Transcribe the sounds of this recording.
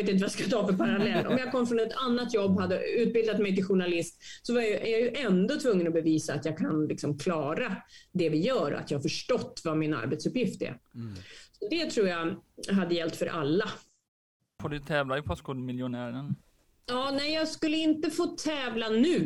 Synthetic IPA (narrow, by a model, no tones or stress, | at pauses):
t̪̬ːɪnt̪əvajaskat̪ʰɑːfœɾpʰaɾalɛlːʔɔ̰mjɑɡkʰɔmːfɾɔnɛt̪ʰanːat̪jɔbːɦad̪ːə̰ʉ̟ːt̪̚bɪld̪at̪mɛjt̪ɪlɧʊɳalɪst̪sɔvaɾjajɵʔæɾjajɵʔɛnd̪ɔt̪ʰvɵŋːənɔbɛviːsaːt̪jɑːɡkʰanlɪksɔmkʰlɑːɾad̪ɛvɪjœːɾɔ̰ʔa̰t̪jɑhafœʂʈɔt̪ːvamɪna̰ɾbɛt̪sɵpːjɪft̪ɛ̰ɾ | sɔd̪ɛt̪ʰɾuːɾjaɦad̪ːəjɛlt̪fœɾʔa̰lːa | foːɖɵt̪ʰɛːvlaɪpʰɔskulmɪljʊnæːɾən | jɑːnɛjjɑːɡskɵlːəɪnt̪əfoːt̪ʰɛːvlanʉ̟ː